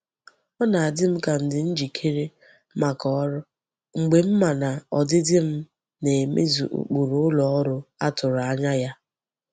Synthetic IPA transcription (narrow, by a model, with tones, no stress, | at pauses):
ɔ˦na˨a˨dɪ˦m̩˦ka˨n̩˨dɪ˨n̩˦d͡ʒi˨kʰe˦ɾe˦ | ma˨kɔ˦ɾʊ˦ | ŋ͡m̩˨ɡ͡be˨m̩˦ma˨na˨ɔ˨dɪ˦dɪ˦m̩˦ | ne˨mḛ˦zṵ˨ʔṵ˦k͡pu˨ɾʊ˦ʊ˦lɔ˨ɔ˦ɾʊ˦a˦tʊ˨ɾʊ˨a˦ɲa˦ja˦